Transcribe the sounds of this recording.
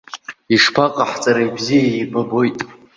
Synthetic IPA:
iʂpʰaqʼaħt͡sʼaɾajbzijaibabo̞jtʼ

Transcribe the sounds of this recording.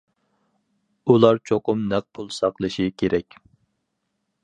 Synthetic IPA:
ulˠɑɾt͡ʃʰoqʊmnæq̚pʰulˠsɑqlˠɨʃikʲʰeɾɛkʲ

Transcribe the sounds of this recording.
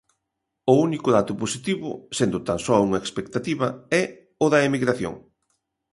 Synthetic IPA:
ʊunikʊðat̪ʊposit̪iβʊ̰send̪ʊt̪aŋsɔuŋɐekspekt̪at̪iβɐɛ | ʊðɐemiɣɾaθjo̰ŋ

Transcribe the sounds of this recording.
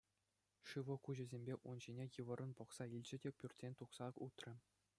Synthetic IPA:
ʂɯʋɤ̆kuʑɘ̆zʲembʲeʔunʑinʲejɯʋɤ̆ɾʔɤ̆npŏχsɑilʲd͡ʑɘ̆dʲepʲyrʲtʲsʲenʲt̪uχsɑut̪rʲɘ̆

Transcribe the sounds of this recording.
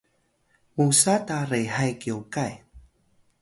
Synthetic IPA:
musatarejɦajkiokaj

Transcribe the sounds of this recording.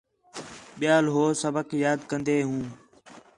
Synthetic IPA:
ɓɪjaːlɦoːsəbəkjaːd̪kənd̪eːɦũː

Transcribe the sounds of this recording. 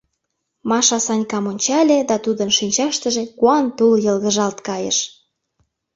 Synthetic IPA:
mɑʃɑsɑnʲkɑmonʲt͡ɕɑlʲed̪ɑt̪ud̪ənʃinʲt͡ɕɑʃt̪əʒĕkuɑnt̪uljə̆lɣə̆ʒɑlt̪kɑjə̰ʃ

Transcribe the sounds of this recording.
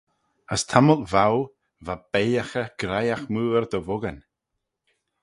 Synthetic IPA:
əst̪ʰaməlˠvaw | vab̥ejaxəɡ̥ɾajaxmuːəɾd̪əvʊɡən

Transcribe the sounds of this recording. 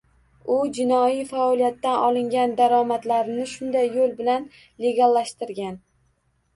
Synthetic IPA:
ʊd͡ʒɪnɒijfaɒlijat̪ːanɒlˠɪŋɡʲand̪aɾɒmat̪laɾɪnɪʃʊnd̪ajːolˠbɪlan | le̞ɡʲalːaʃt̪ɪɾɡʲan

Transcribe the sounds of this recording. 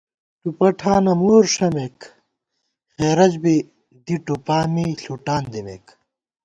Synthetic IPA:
ʈupɐʈʰaːnɐmoːɾʂɐmek | xeːɾɐd͡ʑbi | d̪iʈupaːmiɬuʈaːnd̪imḛːk

